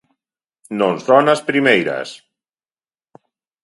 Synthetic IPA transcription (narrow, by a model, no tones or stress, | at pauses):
nonzðɔnaspɾimejɾa̰s